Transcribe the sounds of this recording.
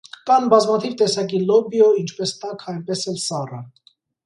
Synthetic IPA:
kɑnbɑzmɑt̪ʰivt̪ɛsɑk̬ilɔbiɔint͡ʃʰpɛst̪ɑkʰɑjnpɛsɛlsɑrɑ

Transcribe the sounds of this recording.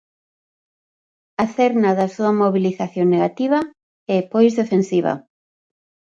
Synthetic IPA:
aθeɾnaðasuamoβiliθaθjoŋneɣat̪iβ̞ɐ | ɛpojzðefensiβ̞ɐ̰

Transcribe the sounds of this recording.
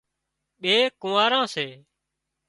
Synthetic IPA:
ɓeːkʊmaːɾãːseː

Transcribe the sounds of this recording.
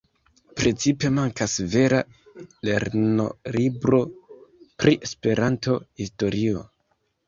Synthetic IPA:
pɾe̞t͡sipe̞maŋkasve̞ɾa | le̞ɾno̞̰libɾo̞pɾiʔe̞spe̞ɾanto̞histo̞ɾio̞̰

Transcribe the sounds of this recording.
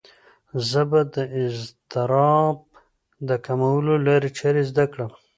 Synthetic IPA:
zəbad̪əɪzt̪ɪɾɑb̚ | d̪əkamawəlolaɾit͡ʃaɾezd̪akɽəm

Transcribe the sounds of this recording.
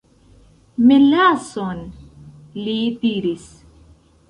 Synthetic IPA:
melason | lid̪iɾis

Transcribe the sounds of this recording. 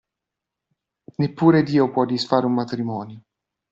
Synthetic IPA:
nepːuːɾed̪iːopwɔd̪ːisfaːɾeummat̪ɾimɔːnjo

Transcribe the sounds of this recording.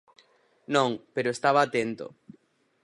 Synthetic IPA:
nõŋpeɾoest̪aβaːt̪ent̪o̰

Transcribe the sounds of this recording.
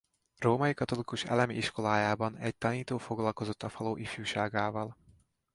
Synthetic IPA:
roːmɒjikɒt̪o̞likuʃɛ̰lɛmiiʃko̞laːjaːbɒnɛɟ̚t̪ɒniːt̪oːfo̞ɡlɒlko̞zo̞t̪ːɒfɒloːʔifjuːʃaːɡaːvɒl

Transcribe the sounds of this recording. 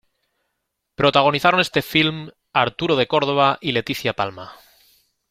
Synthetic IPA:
pɾo̞t̪aɣ̞o̞niθaɾo̞ne̞st̪e̞film | aɾt̪uɾoð̞e̞ko̞ɾð̞o̞β̞aʔile̞t̪iθjapalma

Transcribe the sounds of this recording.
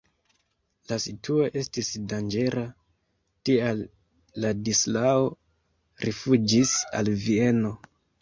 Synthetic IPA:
lasituo̞ʔe̞stisdand͡ʒe̞ɾa | tialː | adislao̞ | ɾʔifud͡ʒisa̰lvie̞no̞

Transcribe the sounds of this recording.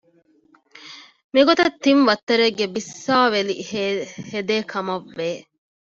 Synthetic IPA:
miɡot̪ɐt̪ːinʋɐt̪ːɐɾeɡːebisːaːʋelḭhed̪eːkʰɐmɐʋːeː

